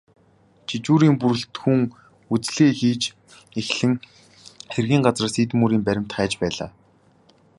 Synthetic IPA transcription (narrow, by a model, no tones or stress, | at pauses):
t͡ɕʰit͡ɕuːɾiːmpuɾɘ̆ɬt̪xuŋ | ut͡sɮeːxiːt͡ɕ | exɮɘ̆ŋ | xerɣiːŋɢat͡srăːsit̪muːɾiːmpæɾʲɪ̆m̥t̪χæːt͡ɕpæːɮa̰ː